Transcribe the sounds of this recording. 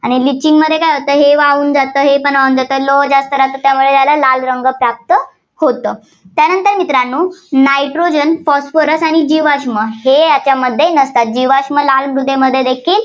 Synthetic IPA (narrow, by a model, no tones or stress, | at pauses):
aɽ̃ilit͡ɕːiŋɡməd̪ʱːjekajɦot̪əːɦeʋauːnd͡zat̪əːɦepəɳauːnd͡zat̪əːlod͡ʑast̪əɾat̪ət̪jamuɭejalalalɾəŋɡəpɾap̚t̪ə | hot̪əː | t̪janənt̪əɾmit̪ɾanːuːnajʈɾod͡ʑənfɔsfəɾəsaɽ̃id͡ʑiʋaɕməɦejat͡ɕjaməd̪ʱːjenəst̪at̪̚d͡ʑiʋaɕməlalmɾud̪ʱeməd̪ʱːjed̪ekʰiːl